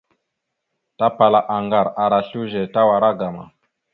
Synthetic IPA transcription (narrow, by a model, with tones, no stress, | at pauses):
ta˦pa˨la˨ʔa˨ŋɡa˨ɾa˨ɾa˨ɬu˦ʒɛ˨ta˦wa˨ɾa˦ɡa˨ma̰˨